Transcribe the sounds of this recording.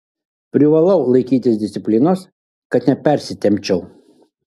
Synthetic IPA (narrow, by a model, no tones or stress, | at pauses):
pʲɾʲɪʋɐlˠɐʊlˠɐɪkʲiːt̪ʲɪsd̪ʲɪsʲɪpʲlʲɪnos | kɐt̪nʲɛpʲɛɾʲsʲɪt̪ʲɛmʲt͡ʃʲɛʊ